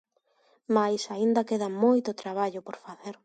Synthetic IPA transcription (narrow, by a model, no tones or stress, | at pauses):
majsaind̪ɐkeðɐmojt̪ʊt̪ɾaβ̞aʎʊpoɾfaθeɾ